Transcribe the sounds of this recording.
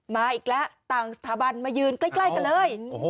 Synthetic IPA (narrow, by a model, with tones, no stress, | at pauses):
maː˧ʔiː˨˩k̚lɛ˦˥ʔt̪aː˨˩ŋsa˨˧t̪ʰaː˨˩˦ba˧nmaː˧jɯː˧nklaː˦˧˩jkla˧˩ka˧nlɤː˧j